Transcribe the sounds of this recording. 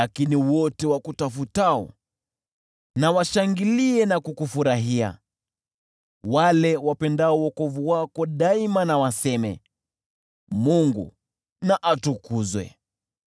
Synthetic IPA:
lakiniwɔtɛwakutafutaɔ̰ | nawaʃaŋɡiliɛnakukufuɾaɦia̰ | walɛwapɛndaɔwɔkɔvuwakɔɗaimanawasɛmɛ̰ | muŋɡṵ | naʔatukuzwɛ̰

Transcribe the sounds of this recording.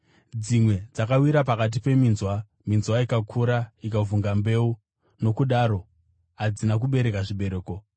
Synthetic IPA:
d͡zimwe̞d͡zakawiɾap̬akat̬ipe̞minzwa | minzwaikakʰuɾaikavuŋɡambe̞u | no̞kuɗaɾo̞ | ɦad͡zinak̬uɓe̞ɾe̞kaʐiɓe̞ɾe̞ːko̞

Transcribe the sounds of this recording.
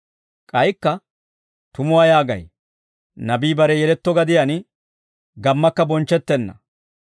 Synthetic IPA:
kʼɐjkːɐ | t̪ʊmʊwajaːɡɐ̰j | nɐbiːbɐɾɛjɛlɛt̪ːɔɡɐd̪ɪjan | ɡɐmːɐkːɐbɔnt͡ʃːɛt̪ːɛnːɐ̰

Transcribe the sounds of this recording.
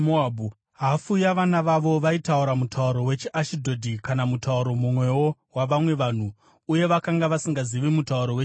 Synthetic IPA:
moabu | ɦafujaʋanaʋaʋo̞ʋaitauɾamutauɾo̞we̞t͡ʃiʔaʃidʱo̞dʱikanamutauɾo̞mumwe̞wo̞waʋamwe̞ʋaːn̤u | uje̞ʋakaŋɡaʋasiŋɡaziʋimutauɾo̞we

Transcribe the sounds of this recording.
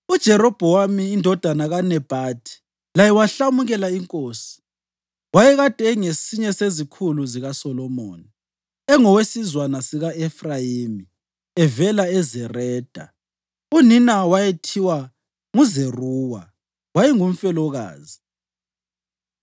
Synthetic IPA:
ud̥ʒ̥ʱɛɾɔb̥ʱɔwamiːndʱɔd̥ʱanaɣanɛb̥ʱaːtʰi̥ | lajɛwaɬamuɣɛlaiŋkʼoːsi̥ | wajɛɣad̥ʱɛŋesiɲɛsezikʰuluziɣasɔlɔmo̰ːni | ɛŋɔwesizwanasiɣaɛfrajimi | ɛvɛlaɛzɛrɛːd̥ʱa̰ | uninawajetʰiwa | ŋuzeruːwa̰ | wajɛŋum̩fɛlɔɣa̰ːzi

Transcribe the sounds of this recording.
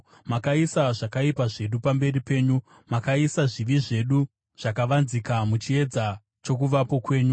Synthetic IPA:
makaisaʐakaipaʐe̞ɗupambe̞ripe̞ːɲu | makaisaʐiʋiʐe̞ɗu | ʐ̥akaʋanzikamut͡ʃie̞d͡za | t͡ʃo̞k̬uʋapo̞kwe̞ːɲu

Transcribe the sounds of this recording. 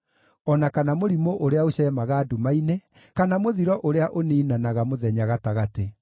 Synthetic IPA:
ɔnakanamoɾimoʔoɾeaoɕɛːmaɣaːdumaine | kanamoðiɾɔʔoɾeaʔoneinanaɣamoðɛɲaɣataɣate

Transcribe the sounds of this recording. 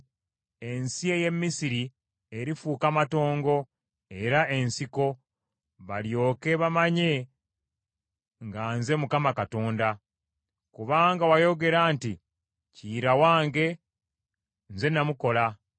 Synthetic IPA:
e̞nsie̞je̞mːisiɾi | eɾifuːkamato̞ːŋɡo̞ | e̞ɾaʔe̞nsiko̞ | βaljo̞ːke̞βamaɲe̞ | ŋɡaːnze̞mukamakato̞ːnda | kuβaːŋɡawajo̞ɡe̞ɾaːnti | ciːɾawaːŋɡe̞ | nze̞namuko̞la

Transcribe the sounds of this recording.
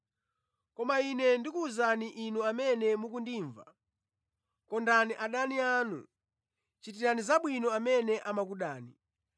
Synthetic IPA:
kɔmainɛndikuːzaniʔinuamɛnɛmuk̬undiːɱva̰ | kɔndaniʔaɗaniaːnṵ | t͡ʃitiɾanizaɓwinɔamɛnɛʔamak̬uɗaːni

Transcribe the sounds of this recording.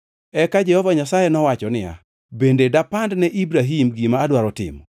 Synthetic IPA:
ɛkad͡ʒɛhɔvaɲasajenɔwat͡ʃɔnɪja̰ | bendedapandnɛʔibɾaɦimɡimaːdwaɾɔtɪ̰mɔ

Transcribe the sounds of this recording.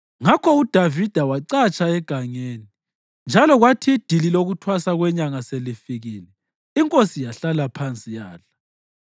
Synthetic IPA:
ŋakʰɔud̥ʱavid̥ʱawaǀat͡ʃʼaɛɡ̥ʱaŋeːni | nd͡ʒʱalɔɣwatʰid̥ʱililoɣutʰwasaɣwɛɲaŋaselifiɣiːlɛ | iŋkʼosijaɬalapʰant͡sʼijaːla

